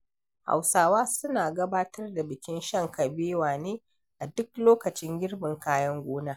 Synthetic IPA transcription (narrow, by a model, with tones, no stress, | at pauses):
ha̰˨wsaː˨waː˦sʊ˦naː˨ɡɐ˦baː˦tɐ˦rda˨bɪ˨kʲɪ˦nʃɐ˦ŋkɐ˨beː˦waː˨neː˦ | ʔa˨dʊ˦kloː˦kɐ˨t͡ʃɪ˦ŋɡʲɪ˦rbɪ˨ŋkaː˦jɐ˦ŋɡʷoː˦naː˦